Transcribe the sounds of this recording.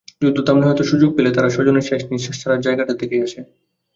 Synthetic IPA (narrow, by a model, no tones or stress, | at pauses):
d͡ʑud̪ot̪amniɦɔjt̪oʃud͡ʑoɡ̚pelet̪aɾaʃɔd͡ʑoneɾʃeʃniɾʃaʃt͡ɕʰaɾaɾd͡ʑaeɡaʈad̪ekeaʃʰe